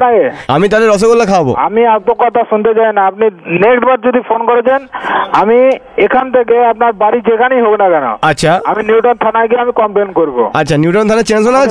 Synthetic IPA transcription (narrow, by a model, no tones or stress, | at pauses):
naea̰mit̪aleɾɔs̬okolːakʰãwbo̰a̰miapokɔt̪ʰaʃunt̪et͡ɕajnaapninekʈbaɾd͡ʑod̪ʱifʰonkoɾed͡ʑenami | ekʰant̪ʰekeapnaɾbaɾid͡ʑekʰanijɦoknakɛno̰atːɕʰaaminjiuʈont̪ʰanaɡieamikɔmplenkoɾibo̰atːɕʰanjuʈont̪ʰanat͡ɕens̬onat͡ɕʰ